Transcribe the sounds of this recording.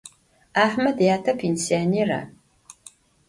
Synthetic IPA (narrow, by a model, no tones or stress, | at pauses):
aːħmɐdjaːtʰɐpʰeːnsijaneːɾɐ̰